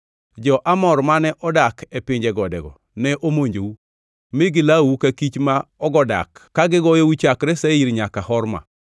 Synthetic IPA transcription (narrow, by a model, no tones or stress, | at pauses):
d͡ʒɔʔamɔɾmanɛʔɔdakɛpɪɲd͡ʒɛɡɔdɛ̰ɡɔ̰ | nɛʔomoɲd͡ʒowu | mɪɡɪlawukakit͡ʃmaɔɡɔda̰kːaɡɪɡɔjowit͡ʃakɾɛsɛiɾɲakahɔɾma̰